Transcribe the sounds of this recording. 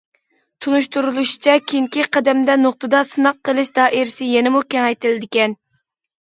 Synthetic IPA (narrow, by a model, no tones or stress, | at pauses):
t̪ʰunuʃt̪uɾulˠuʃi̥t͡ʃʰɛkʲʰeŋkʲiqʰɛd̪ɛmd̪ɛnoq̚t̪ɨd̪ɑsɨnɑqʰːəlˠɨʃd̪ɑːʔɪɾsɪjɛnɪmukʲɛŋɛjt̪ɪlɪd̪ɪkʲɛn